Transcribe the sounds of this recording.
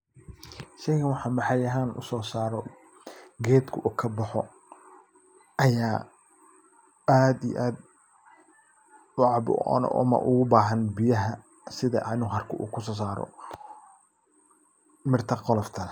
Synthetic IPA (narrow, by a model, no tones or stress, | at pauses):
ʃɛjkɐnwɑħɑːmɑħɑjɐɦaːnʊ̰sɔːsaːɾɔ | ɡɛːd̪kʰʊʔuːkʰɐbɐħɔ | ʔɐjaː | aːd̪ij̰ʔaːd̪̚ | ʊʕɑbʊ̰ɔ̰n̰ʔmɐ̰ʔʊ̰ɣʊbaːɦɐnbɪjɐɦɐ | sɪðɐ̰ʔnuɦɐrkʰʊʔṵːkʰʊs̬ɔːs̬aːɾɔ̰ | mɪrt̪ʰɐqɔlɔft̪ʰɐn